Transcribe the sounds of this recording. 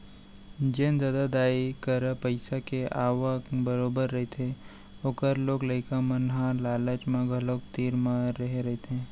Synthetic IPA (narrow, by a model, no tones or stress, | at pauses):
d͡ʒeːnd̪əd̪ad̪aːikəɾəpəɪsakeʔaːʋəkbəɾoːbəɾːɐɦet̪ʰe | oːkəɾloːɡləɪkamənɦalaːlət͡ʃmẽɡʱəlokt̪iːɾmãːəɦeɾɐɦet̪eɦɛ̃ː